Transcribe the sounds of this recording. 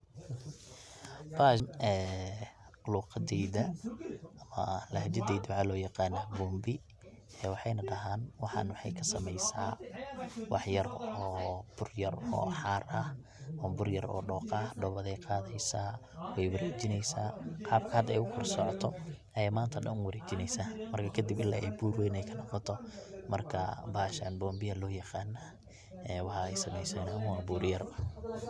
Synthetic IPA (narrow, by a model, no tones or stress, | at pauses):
b̥anɛː | luːqɑd̪ɛjðɐ | ɐmɐ̰lɐɦɐd͡ʒɐd̪ɛjd̪wɑħɑlɔːjɑqɑːnaːbuːmbɪ | ɛːwɑħɑjnɐɖɐɦaːnwɑħɑ̰nwɑħɑjkʰɐsɐmɛjsaː | wʔɑħjɐrɔːb̥ʊrjɐrɔ̰ːħɑːɾɐ | bʊrjɐɾɔ̰ːɖɔːqɐhɖɔβɐðɛjqɑːðɛjsaːwɛjwɐɾeːt͡ʃɪnɛjsaːqɑːb̚kʰɐaɐd̪ɛ̰jʊkʰʊrsɔʕɔt̪ʰɔʔɛmaːnt̪ʰɐɗɐnʊnwɐɾɛːt͡ʃɪnɛjsaːmɐrkʰɐkʰɐd̪ɪbɪlːaːʔɛjbuːrwɛjnɛjkʰɐnɔqɔt̪ʰɔmɐrkʰɐ̰baːʃa̰nbɔːmbɪɐlɔːjɐqɑːnːa | ɛːwɑħɑɛjsɐmɛjsɛːnaʊɑːbuːrjɐr